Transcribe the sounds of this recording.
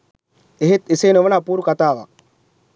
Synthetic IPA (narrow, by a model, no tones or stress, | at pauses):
eɦet̪eseːnoʋɐnaːpuːɾukat̪aːʋa̰